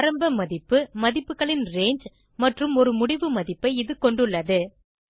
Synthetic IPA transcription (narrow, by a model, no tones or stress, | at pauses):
ɾɐmbɐmɐðɪpːɯmɐðɪpːɯɣɐɭɪnreːɲd͡ʒ | mɐʈrɯmɔɾɯmʊɽɪʋɯmɐðɪpːɐɪɪðɯkɔɳɖɯɭːɐðɯ